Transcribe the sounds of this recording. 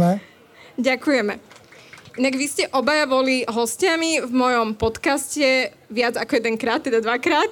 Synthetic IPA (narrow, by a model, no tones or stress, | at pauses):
ɛ | ɟakujɛmɛ | ʔinaɡʋiscɛʔɔbajaʋɔliɦɔscɪamivmɔjɔmpɔt̪kascɛ | ʋɪad͡zakɔjɛd̪ɛŋkɾaːt̪̚ːɛd̪ad̪ʋakɾaːt̪